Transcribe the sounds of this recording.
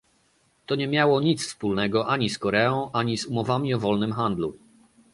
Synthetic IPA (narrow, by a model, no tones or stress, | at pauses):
t̪ɔɲɛmʲjawɔɲit̪sfspulnɛɡɔʔaɲiskɔɾɛɔ̃w̃ʔaɲisumɔvamʲiɔvɔlnɘmxand̪lṵ